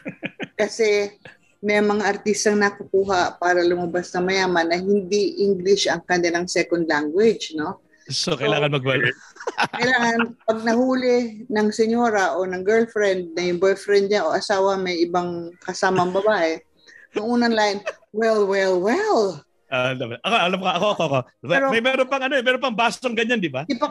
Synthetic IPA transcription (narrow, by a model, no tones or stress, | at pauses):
kɐsɛ | mɛjmɐŋaʔɐɾt̪ist̪ɐŋnɐkʊkuːɦɐpaːɾɐlʊmɐbasnɐmɐjaːmɐnːɐhɪnd̪iʔiŋɡlɪʃɐŋkɐnd̪ɛnɐŋsɛkond̪laŋɡwɪd͡ʒno̞ | sokɐjlaːŋɐnmɐɡ̚wɐl | ɐjlaːŋɐnpɐɡ̚nɐɦuːlɪnɐŋsɛɲoːɾɐʔonɐŋɡɛɹlfɾɛnd̪̚nɐjʊŋbojfɾɛnd̪̚ɲanʔoʔɐsaːwɐmɐjʔɪbaŋkɐsaːmɐŋbɐbaːʔɛ | nʊŋʔuːnɐŋlaʔɪn | wɛlwɛlwɛl | ad̪ɐmɐʔɐkoʔɐlamkɐʔɐkoʔɐkoʔɐkoɛɾomɐjmɛːɾonpɐŋɐnoɛmɛːɾonpɐŋbaːsoŋɡɐɲand̪ɪbad̪ɪpɐ